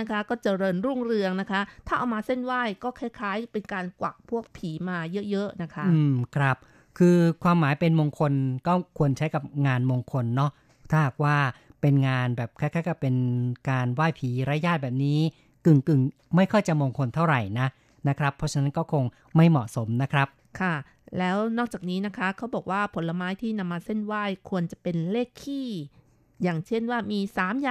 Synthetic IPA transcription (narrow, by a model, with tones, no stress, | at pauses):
na˦˥kʰa˦˥kɔː˥˩t͡ɕa˨˩ɾɤː˧nɾuː˥˩ŋɾɯ˧əŋna˦˥kʰa˦˥t̪ʰaː˥˩ʔa˧wmaː˧se˥˩nwaː˥˩jkɔː˥˩kʰɛː˦˥kʰaː˦˥jpe˧nkaː˧nkwa˨˩k̚pʰu˥˩ək̚pʰiː˩˦maː˧jɤ˦˥ʔjɤ˦˥ʔna˦˥kʰa˦˥ɯː˧mkʰɾa˦˥p̚ | kʰɯː˧kʰwaː˧mːaː˩˦jpe˧nmoː˧ŋkʰo˧nkɔː˥˩kʰu˧ənt͡ɕʰa˦˥jka˨˩p̚ŋaː˧nmoː˧ŋkʰo˧nːɔ˦˥ | t̪ʰaː˥˩ɦaː˨˩k̚waː˥˩pe˧nŋaː˧nbɛː˨˩p̚kʰaː˥˩kaː˦˥˩jkɔː˥˩pe˧nkaː˧nwaː˥˩jpʰiː˨˦ɾa˦˥jaː˥˩bɛː˨˩p̚niː˦˥ | kɯ˨˩ŋkɯ˨˩ŋma˥˩jkʰɔ˥˩jt͡ɕa˨˩moː˧ŋkʰo˧nt̪ʰa˥˩wɾa˨˩jna˦˥ | na˦˥kʰɾa˦˥pʰːɔ˦˥t͡ɕʰna˦˥nkɔː˥˩kʰo˧ŋ | ma˥˩jmɔ˨˩ʔso˩˦mna˦˥kʰɾa˦˥p̚ | kʰa˥˩ | lɛː˦˥wnɔː˥˩k̚t͡ɕaː˨˩k̚niː˦˥na˦˥kʰɾa˦˥kʰa˦˥wbɔː˨˩k̚waː˥˩pʰo˩˦nla˧maː˦˥jt̪ʰiː˥˩na˧mːaː˧se˥˩nwaː˥˩jkʰu˧ənt͡ɕa˨˩pe˧nleː˥˩kʰːiː˥˩ | jaː˨˩ŋt͡ɕʰe˥˩nwaː˥˩miː˧saː˨˩˦mjaː˨